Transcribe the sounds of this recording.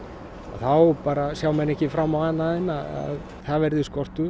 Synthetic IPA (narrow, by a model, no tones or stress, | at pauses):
a̰θawpaːɾasjaːwmɛnɛhcɪfɾamːawhanːaðɪnːaa̰ð | θavɛɾðɪskɔr̥t̪ʏ